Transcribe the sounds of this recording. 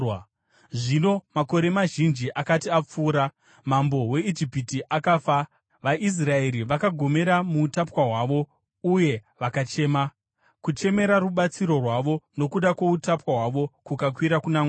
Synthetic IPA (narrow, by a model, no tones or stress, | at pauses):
ʐino̞mako̞ɾe̞maʒind͡ʒiʔakatiap͡fuːɾa | mambo̞we̞id͡ʒipitiʔakaːfa | ʋaʔis̬rae̞ɾiʋakaɡʱo̞me̞ɾamuːtapwaɦwaʋo̞ | uje̞ʋakat͡ʃe̞ːma | kut͡ʃe̞me̞ɾaruɓat͡siɾo̞rwaʋo̞no̞kuɗakwoutapwaɦwaʋo̞kukakwiɾakunaŋ